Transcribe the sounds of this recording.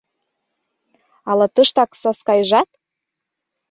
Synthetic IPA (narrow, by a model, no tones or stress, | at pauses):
ɑlɑt̪ɤʃt̪ɑksɑskɑjʒɑt̪̚